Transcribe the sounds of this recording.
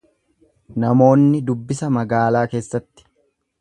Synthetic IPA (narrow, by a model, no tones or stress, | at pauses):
nɐmo̞ːnːɪd̪ʊbːɪsɐmɐɡaːlaːke̞ːsːɐt̪ːɪ̥